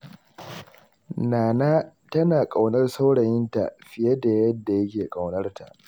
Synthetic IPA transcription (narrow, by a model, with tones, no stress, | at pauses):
naː˨naː˦tɐ˦naː˨kʼa˨wnɐ˦rsa˦wɽɐ˨jɪ˦nta̰˨ɸɪ˨je˦da˨jɐ˦dːa˨jɐ˦kʲeː˨kʼa˨wnɐ˦rta̰˨ʔ